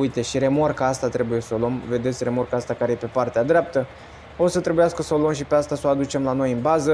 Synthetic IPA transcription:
ujt̪e̞ʃiɾe̞morkəast̪at̪ɾe̞buje̞səolo̞mve̞d̪e̞t̪sʲre̞mo̞rkəast̪akaɾe̞je̞pe̞part̪ead̪ɾeap̚t̪ə | o̞sət̪ɾe̞bujaskəsəolomʃ̬ipeast̪asoad̪ut͡ʃe̞mlano̞jɨnbazə

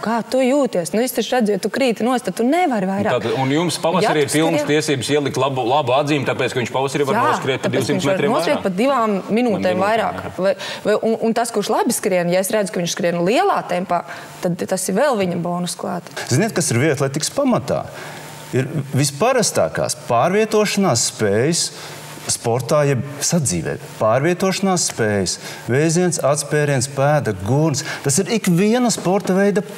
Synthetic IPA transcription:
kaːt̪ujuːt̪iɛsnuist̪ɛʃɾæd̪zʊjat̪ukɾiːt̪inuɔst̪ad̪t̪ːunɛvaɾvajɾaːt̪aunjumspavasaɾiːiɾpilˠnst̪iɛsiːbsiɛlˠiklˠabulˠabuad̪ziːmt̪apɛːt̪kɐʋiɲʃpavasɾiːvaaːskɾiɛt̪̚pad̪ɛːusimitɲʃsɛaɾɾeːnuɔskɾiɛkk̪̚pɐd̪iʋaːmːinuːt̪ɛːmvajɾa̰ːkvajvajʔununt̪askuʃlˠabɪskɾiɛnjaesɾæd̪zʊkɐʋiɲʃskɾiɛnlˠiɛlˠaːt̪ɛmpaː | t̪ad̪t̪asɪvɛlˠʋiɲɐbɔːnuskʋaːt̪z̥iniɛt̪̚kasiɾviɛt̪lˠɛjt̪ikspamat̪a̰ː | iɾvispaɾast̪a̰ːka̰ːspaːɾviɛt̪uɔʃanaːsːpeːjs | spoɾt̪aːjɛbsad̪ziːʋɛ̰ːt̪paːɾvʲiɛt̪uɔʃanaːsːpɛːjs | vɛjziɛnsat̪spɛːɾiɛnspæːd̪ɐɡuɾnst̪asiɾikviɛnɐspoɾt̪ɐvɛjd̪ɐ

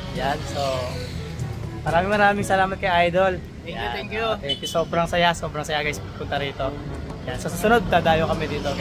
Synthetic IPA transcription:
janso | mɐɾaːmɪŋmɐɾaːmɪŋsɐlaːmɐt̪̚kɐjʔɐjd̪ol | ɛjj̪ɛŋkjut̪ɛŋkjʊso̞ːbɾɐŋsɐjaso̞ːbɾɐŋsɐjaɡɐjspɐpːʊnt̪ɐɾiːt̪o̞jansosusʊnod̪̚t̪aːd̪aːjokɐmɛd̪iːt̪o

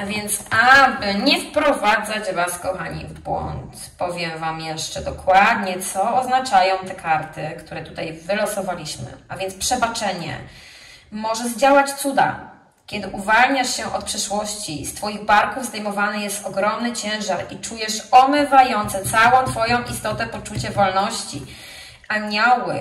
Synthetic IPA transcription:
avʲjɛnt̪sabɘɲɛfpɾɔvad̪zat͡ɕvaskɔxaɲḭvbwɔ̰nt̪ | pɔvʲjɛmvamjɛʂt͡ʂɛd̪ɔkwad̪̚ɲɛt̪sɔːznat͡ʂajɔ̃w̃t̪ɛkʰaɾt̪ɘkt̪uɾɛt̪ut̪ajvɘlɔsɔvalʲiɕmɘ̰avʲjɛnt̪spʂɛbat͡ʂɛɲɛ̰ | mɔʐɛʐd͡ʑawat͡ɕt̪sud̪a̰ | kʲɛd̪ɘʔuvalɲaʂɕɛʔɔt̪̚pʂɛʂwɔɕt͡ɕist̪fɔjiɣbaɾkuvzd̪ajmɔvanɘjɛst̪ɔɡɾɔmnɘt͡ɕɛ̃w̃ʐaɾit͡ʂujɛʂɔmɘvajɔnt̪sɛt̪sawɔ̃w̃t̪fɔjɔ̃w̃ʔist̪ɔt̪ɛpɔt͡ʂut͡ɕɛvɔlnɔɕt͡ɕḭ | aɲɔwɘ

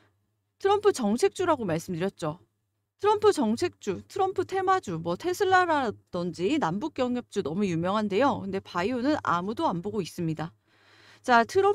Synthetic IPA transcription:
tʰɯɾʌmpʰɯt͡ɕʌŋt͡ɕʰe̞k̚t͡ɕ͈uɾaɡomaɭs͈ɯmdɯɾjʌt̚t͡ɕ͈o | tʰɯɾʌmpʰɯt͡ɕʌŋt͡ɕʰe̞k̚t͡ɕ͈utʰɯɾʌmpʰɯtʰe̞mad͡ʑumwʌtʰe̞sʰɯɭːaɾad̥ʌnd͡ʑinambuk͈jʌŋjʌp̚t͡ɕ͈unʌmujumjʌŋɦande̞jokɯnde̞paionɯna̰mudoamboɡois͈ɯmɲida | t͡ɕatʰɯɾʌ

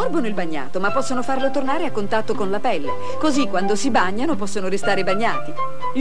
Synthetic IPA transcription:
ɔrbonoilbaɲːa̰ːt̪omapːɔsːonofarlot̪ornaːɾeakːont̪at̪ːokonlapɛlːe | kozikːwand̪osibaɲːanopɔsːonoɾist̪aːɾebaɲːaːt̪i

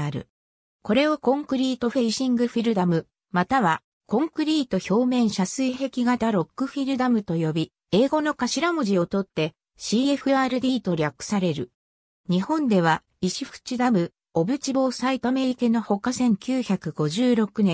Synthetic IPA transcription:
aɾɯ̰ | ko̞ɾe̞o̞kõ̞ŋkɯ̟ɾʲiːt̪o̞ɸeiɕĩŋɡɯ̟ɸiɾɯ̟d̪amɯ̟ | mat̪aβa | kõ̞ŋkɯ̟ɾʲiːt̪o̞ço̞ːmẽ̞ɰ̃ɕasɨiɦe̞kʲiɡat̪aɾo̞kːɯ̟ɸiɾɯ̟d̪amɯ̟t̪o̞jo̞bʲi | e̞ːɡo̞no̞kaɕiɾamoʑio̞t̪o̞t̪ːe̞ | ɕiːe̞ɸɯ̟aːɾɯ̟d̪ʲiːt̪o̞ɾʲakːɯ̥saɾe̞ɾɯ̟ | ɲ̟ihõ̞nd̪e̞β̞a | iɕiɸɯ̟̥t͡ɕid̪amɯ̟ | o̞bɯ̟t͡ɕibo̞ːsait̪ome̞ɾʲike̞no̞ho̞kasẽ̞ŋkʲɨːçakɯ̟ɡo̞ʑɨːɾo̞kɯ̟nẽ

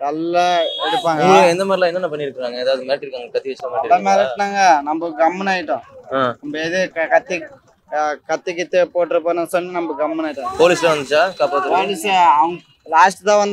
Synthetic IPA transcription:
nɐlːaɛɽɯpːaːŋɡɐɛnd̪ɐmaːɾɪlaːɛnːɐnãːp̬ɐnːiɪɾɯkːɯaːŋɡɐɛðaːʋðɯmeːʈːɪɾɯkːaːŋɡɐkɐt̪ːiʋɪsɐmɐːɐɾlːɐmeːɾʈnaːŋɡɐnɐmbɐɡɐmːnaːjɪʈːʊ̃anɐmbɐeðɯkɐt̪ːi | kɐt̪ːɯkːɪt̪ːɯpoːʈːɪɾɯpːaːnɐ̃sɐnːɯnɐmbɐɡɐmːɐnaːjɪʈːɐ̃poːliːslɐʋɐnd̪ɯt͡ʃːaːkaːpoːt̪ːpoːlisɐʋɐŋɡɐ | laːsʈɯt̪ãːʋɐnd̪

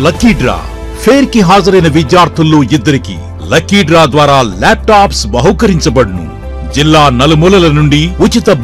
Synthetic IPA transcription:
lɐkːiːɖɾa̰ː | pʰeːɾkiɦaːd͡ʒɐɾɐjnɐʋid̪jaːɾt̪ʰulːo̞ːid̪ːɐɾikḭ | lɐkːiːɖɾaːd̪ʋaːɾaːlaːp̚ʈaːpsbɐɦɐkɐɾiɲt͡ʃɐbɐɽnṵ | d͡ʒilːaːnɐlumuːlɐlɐnuɳɖiut͡ʃit̪ɐb

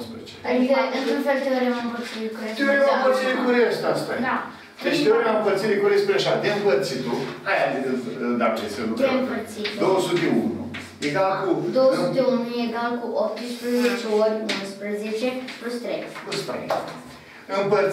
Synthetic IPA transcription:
pt͡ʃeadiɡaɨnunfelt̪eoɾʲamampərt̪sikuɾeeoɾeampəɾt̪sid̪ekuɾeəʃt̪ast̪ana | eʃt̪eoɾʲammpəɾt̪sid̪ekuɾiespuɾʲaʃad̪eɨmpərt̪sit̪uhajad̪eɨd̪akeseluempərt̪sit̪d̪owsut̪eṵnṵ | eɡalkud̪owəsut̪eunnujeɡalkuʔop̚t̪ɨspɾezet͡ʃeoɾʲunspɾəzet͡ʃeplust̪ɾejplust̪ɾḛ | ɨmpə

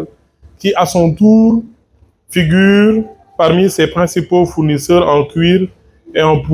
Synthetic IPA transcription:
l | kiʔasɔ̃t̪uʁ | fiɡyːʁ | paʁmisɛpχɛ̃sipofuʁnisœʁɑ̃kɥiʁ | eɑ̃p

